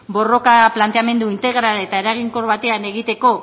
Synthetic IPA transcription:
bo̞ro̞kaplant̪e̞ame̞nd̪uint̪e̞ɣɾale̞t̪ae̞ɾaɣ̞iŋko̞ɾβat̪e̞ane̞ɣit̪e̞ko̞

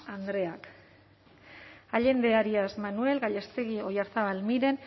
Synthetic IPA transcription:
and̪ɾe̞ak | aʎe̞nd̪e̞aɾiasmanue̞lɡaʎest̪e̞ɣio̞jaɾθaβalmiɾe̞n

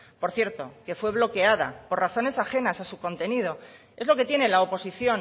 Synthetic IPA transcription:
po̞ɾθje̞ɾt̪o̞ke̞fwe̞β̞lo̞ke̞að̞a̰po̞ɾraθo̞ne̞saxe̞nasasuko̞nt̪e̞nið̞o̞ | e̞zlo̞ke̞t̪je̞ne̞laopo̞siθjo̞n

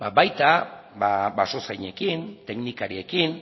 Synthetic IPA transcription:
babajt̪ababaso̞sajɲe̞kint̪e̞knikaɾie̞kin

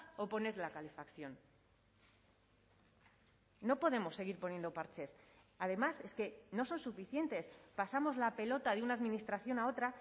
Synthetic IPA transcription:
o̞po̞ne̞ɾlakale̞fakθjo̞n | no̞po̞ðe̞mo̞sːe̞ɣ̞iɾpo̞njend̪o̞paɾt͡ʃe̞s | aðe̞mase̞ske̞no̞so̞nsufiθje̞nt̪e̞spasamo̞zlape̞lo̞t̪aðeunaːðmĩnist̪ɾaθjo̞nao̞t̪ɾa

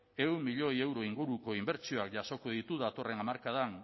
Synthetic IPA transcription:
e̞wmːiʎo̞je̞wɾo̞iŋɡuɾuko̞imbe̞ɾt͡ʃio̞akʝaso̞koðit̪uðat̪o̞re̞namaɾkað̞an

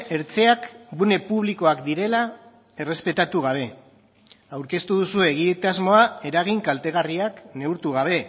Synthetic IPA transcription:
e̞ɾt͡se̞akɡune̞puβ̞liko̞akd̪iɾe̞la | e̞re̞spe̞t̪at̪uɣ̞aβ̞e̞ | awɾke̞st̪uðusue̞ɣ̞iet̪azmo̞ae̞ɾaɣ̞iŋkalt̪e̞ɣ̞ariakne̞uɾt̪uɣ̞aβ̞e̞

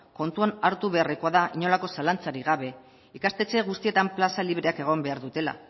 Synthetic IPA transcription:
ko̞nt̪uanaɾt̪uβe̞areko̞aðaʔiɲo̞lako̞salant͡saɾiɣ̞aβ̞e̞ | ikast̪e̞t͡se̞ɣ̞ust̪ie̞t̪amplasaliβ̞ɾe̞ake̞ɣ̞o̞mbe̞aɾðut̪e̞la̰

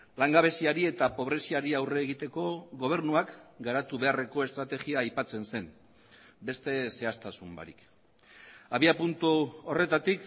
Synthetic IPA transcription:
laŋɡaβ̞e̞siaɾie̞t̪apo̞β̞ɾe̞siaɾiawre̞ːɣ̞it̪e̞ko̞ɣo̞β̞e̞ɾnuakɡaɾat̪uβe̞are̞ko̞e̞st̪ɾat̪e̞ɣiaːjpat͡se̞nse̞m | be̞st̪e̞se̞ast̪asumba̰ɾḭk | aβiapunt̪uore̞t̪at̪ik

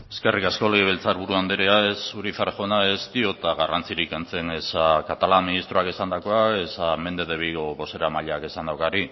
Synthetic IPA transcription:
e̞ske̞rikasko̞leɣiβelt͡saɾβuɾuand̪eɾeaesuɾiθaɾʝo̞naest̪io̞t̪aɣarant͡siɾikent͡se̞ne̞sakat̪alanminist̪ɾoakesand̪ako̞ae̞same̞nd̪eðeβiɣoβo̞se̞ɾamaʎake̞sand̪awkaɾi

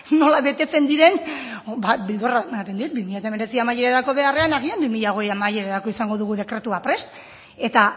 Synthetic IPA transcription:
no̞laβe̞t̪e̞t͡se̞nd̪iɾe̞nbabild̪oraat̪end̪iut̪̚bimiʎat̪ame̞ɾe̞t͡siamajeɾaɾako̞βe̞are̞anaɣ̞iambimiʎaɣ̞o̞jamaje̞ɾaɾakoisaŋɡo̞ðuɣ̞uð̞e̞kɾe̞t̪uapɾe̞st̪ | e̞t̪a

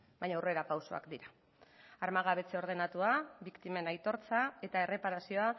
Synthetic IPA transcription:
bajɲawre̞ɾapawso̞̰a̰kd̪iɾa | aɾmaɣaβe̞t͡seo̞ɾð̞e̞nat̪uaβikt̪ime̞najt̪o̞ɾt͡sae̞t̪ae̞re̞paɾasio̞a

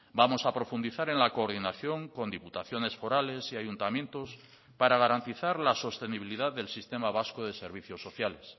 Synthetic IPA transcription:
bamo̞sapɾo̞fund̪iθaɾe̞nlako̞ːɾð̞inaθjo̞ŋko̞nd̪iput̪aθjo̞ne̞sfo̞ɾale̞siaʝunt̪amjẽ̞nt̪o̞s | paɾaɣ̞aɾant̪iθaɾlaso̞st̪e̞niβiliðaððe̞lsist̪e̞maβaskoðe̞se̞ɾβ̞iθjo̞sːo̞θjale̞s

